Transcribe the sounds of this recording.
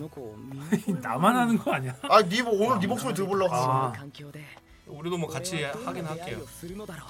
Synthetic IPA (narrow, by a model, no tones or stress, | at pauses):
inamanɦanɯnɡʌaɲaainibonɯɭdibok̚s͈oɾit̬ɯɾboɭːaaa | uɾidomwʌkat͡ɕʰihaɡinɦak͈ejo